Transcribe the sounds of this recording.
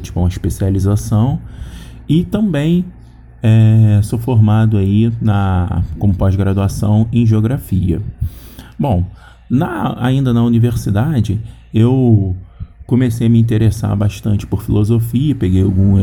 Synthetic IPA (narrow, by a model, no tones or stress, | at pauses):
t͡ʃi̥pũmɐiʃpesializasɐ̃w̃ | ɪt̪ɐ̃mbẽj̃ | ɛsofoɾmad̪ʊainɐkõmʊpɔzɡɾad̪uasɐ̃w̃ẽj̃ʒeoɡɾafiɐ̰ | bõw̃ | nɐa̰ĩnd̪ɐnɐuniveɾsid̪ad͡ʒɪ | ew | kõmesejɐmiĩt̪̬eɾesa̰baʃt̪ɐ̃nt͡ʃɪ̥poɾfilozofiɐpeɡejawɡũmɐ